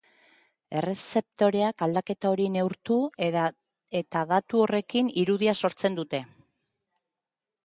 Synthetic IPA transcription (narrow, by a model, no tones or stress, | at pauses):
e̞re̞se̞p̚t̪o̞ɾe̞akald̪ake̞t̪ao̞ɾine̞uɾt̪u | e̞t̪aðat̪uo̞re̞kiniɾuðiaso̞ɾt͡se̞nd̪ut̪e̞